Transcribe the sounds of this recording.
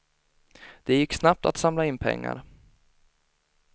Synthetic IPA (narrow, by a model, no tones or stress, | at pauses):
d̪̥ɛjɪkːsnap̚t̪a̰t̪samlaɪnpʰɛ̰ŋːa̰ɾ